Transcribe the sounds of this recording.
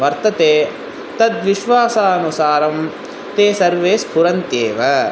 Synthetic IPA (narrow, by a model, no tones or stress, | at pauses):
ʋɐɾt̪ɐt̪eː | t̪ɐd̪ʋiʃʋaːsaːɐnusaːɾɐm | t̪eːsɐɾʋeːspuɾɐnt̪jeːʋɐ